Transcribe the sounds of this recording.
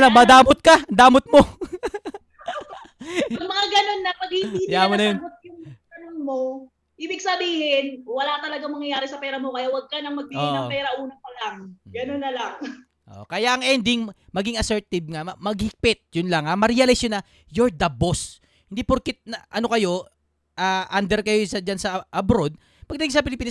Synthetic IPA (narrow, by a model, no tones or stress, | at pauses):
lɐŋmɐd̪aːmot̪̚kɐd̪aːmot̪̚mo̞ | ɐmɐŋaɡɐno̞nːɐpɐɡ̚hiɪjamonɐjonmot̪̚jʊŋɡɐnonmo̞ | ʔibɪɡ̚sɐbiːhɪnwɐlat̪ɐlɐɡaŋmɐŋjɐjaːɾɛsɐpɛːɾɐmo̞kɐjawɐɡ̚kɐnɐŋmɐɡ̚biɡɪɐŋpɛːɾɐʔuːnɐpɐlaŋɡɐnonːɐlaŋ | ʔo̰ʔkɐjaʔɐŋʔɛnd̪ɪŋmɐɡiŋɐsɛɹt̪ɪb̚ŋamɐmɐɡ̚hɪk̚pɪt̪̚jʊnlɐŋamɐɾɪjalɪsjonɐ | joɹd̪ɐbos | hɪnd̪ipʊɾkɪt̪̚nɐʔɐnokɐjo̞ | ʔaːʔand̪ɛɾkɐjosɐd͡ʒansɐʔɐbɾo̞d̪̚ | pɐɡ̚nɐd̪ɡiŋsɐpɪlɪpiːnɐs